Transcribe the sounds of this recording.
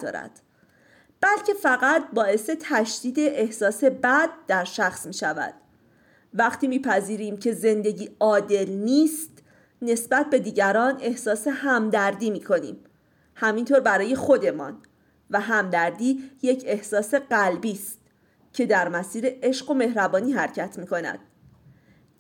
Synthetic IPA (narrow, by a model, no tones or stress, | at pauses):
d̪ɒ̰ːɾæ̰d̪̥ | b̥ælcʰefæɣæt̪bɒːe̞se̞t̪ʰæʃd̪̥iːd̪e̞ʔehsɒːse̞bæd̪̚ːæɾʃæxsmiːʃævæ̰d̪̥ | væχt̪ʰiːmiːpʰæziːɾiːmcʰe̞ze̞nd̪e̞ɟiːɒːd̪e̞lniːst̪ | ne̞sbæt̪̚ʰbe̞d̪iːɟæɾɒːne̞hsɒːse̞hæmd̪æɾd̪iːmiːkʰo̞nḭːm | hæmint̪ʰoːɾbæɾɒːje̞xo̞d̪e̞mɒ̰ːn | væɦæmd̪æɾd̪iːje̞cʰe̞hsɒːse̞ɢælbiːst̪ | cʰe̞d̪æɾmæsiːɾe̞ʔeʃɢo̞me̞hɾæbɒːniːɦæɾcʰæt̪ʰmiːko̞næ̰d̪̥̚